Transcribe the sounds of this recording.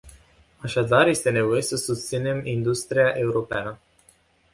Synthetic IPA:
aʃad̪arje̞st̪e̞ne̞vo̞je̞səsust̪sine̞mind̪ust̪ɾiaʔe̞uɾo̞peanə

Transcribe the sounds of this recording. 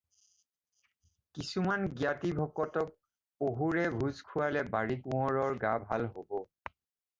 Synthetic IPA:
kisumanɡjatibʱɔkɔtɔk̚ | poɦuɹɛbʱuzkʰuwalɛbaɹikũɔɹɔɹɡabʱalɦobɔ

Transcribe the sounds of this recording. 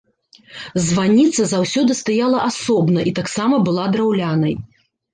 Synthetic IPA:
zvanʲit̪sːɐzawsʲɔd̪ɨst̪ajalˠɐʔasɔbnɐʔit̪aksamɐbɨlˠad̪ɾawlʲanɐj

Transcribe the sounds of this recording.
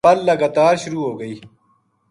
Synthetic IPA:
ɐlːɐɡɐt̪aːɾɕʊɾuːɦoːɡɐiː

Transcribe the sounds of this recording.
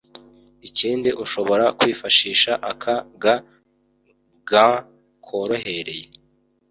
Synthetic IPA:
iciːndiʔuʃo̞βo̞ɾakwiːfaʃiːʃaʔakʰaɡa | ɡã | kʰo̞ɾo̞ɦe̞ɾe̞je

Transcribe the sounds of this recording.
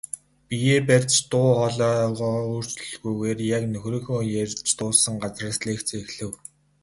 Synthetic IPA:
pijeːpærʲt͡ɕt̪ʊːχɔɮɔːʁɔːuːr̥t͡ɕɮɣujɣeːrjaknɵxrĭːŋxɵːjerʲt͡ɕt̪ʊːsə̆ŋɢat͡srə̆ːsɮeːkt͡sːexɮɘ̆w

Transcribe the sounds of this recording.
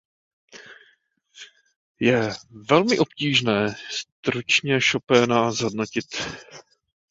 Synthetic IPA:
jɛvɛlmɪʔo̞pciːʒnɛːst̪ɾut͡ʃɲɛʃopɛːnazɦo̞dnocɪt̪

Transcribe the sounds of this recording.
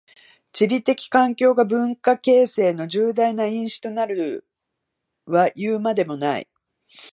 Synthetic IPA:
t͡ɕiɾʲit̪e̞kʲi̥kãŋkʲo̞ːɡabɯ̟̃ŋkake̞ːse̞ːno̞ʑɨːd̪ainaĩɰ̃ɕi̥t̪o̞naɾɯ̟ | βajɯːmad̪e̞mo̞naḭ

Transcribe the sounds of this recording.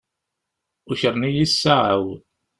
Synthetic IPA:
uçəɾˤnijisːaʕa̰w

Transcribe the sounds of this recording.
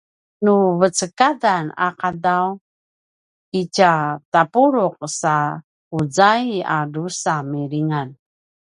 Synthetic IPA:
nuvət͡səkadana̰qadaw | icatapuɾuq̚sa | ud͡zaiadusamiɾiŋan

